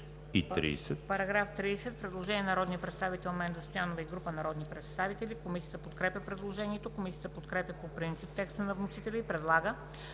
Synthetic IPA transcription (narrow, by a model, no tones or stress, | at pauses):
it̪ɾḭːsɛt̪pɐɾɐɡɾaft̪ɾiːsɛt̪̚pɾɛd̪lˠoʒɛniɛnɐɾɔd̪nijəpɾɛt̪st̪avit̪ɛlˠmɛnd̪zəst̪ojanovɐiɡɾupənɐɾɔd̪nipɾɛt̪st̪avit̪ɛlikomisijət̪əpot̪kɾɛpjəpɾɛd̪lˠoʒɛniɛt̪okomisijət̪əpot̪kɾɛpʲjəpopɾint̪sip̚t̪ɛkst̪ənɐvnosit̪ɛlʲəipɾɛd̪lˠaɡə